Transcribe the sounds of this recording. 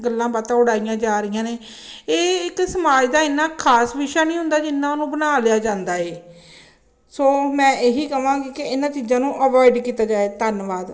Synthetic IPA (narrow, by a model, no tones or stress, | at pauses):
ɡəlːãːbat̪ãːʊɽaːijãːd͡ʒaːɾɪjãːneː | eːɪksəmaːd͡ʒd̪aːɪnːãːkʰaːsʋɪʃaːnĩːɦʊ̃nd̪aːd͡ʒɪnːãːonũːbənaːlɪjaːd͡ʒãːnd̪aːeː | soːmɛ̃ːʔeːɦiːkəʋãːɡiːkɪɪnãːt͡ʃiːzãːnũːʔəʋɔːɪɖkiːt̪aːd͡ʒaːeːt̪ənʋaːd̪